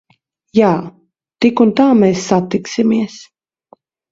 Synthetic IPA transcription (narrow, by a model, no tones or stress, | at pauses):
jaː | t̪ikunt̪aːmɛːsːat̪iksimiɛs